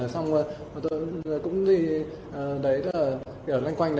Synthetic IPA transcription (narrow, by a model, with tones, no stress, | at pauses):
ə˨˩sa˧wŋ͡mə˨˩˨ | t̪o˧jkʊ̰˧˥ŋ͡mt̪ʰi˨˩ | ʔəː˨˩ɗə˨˦jə˦aː˨˩ | ki˨˩wla˧jŋkwa˧jŋ̟ɗə˧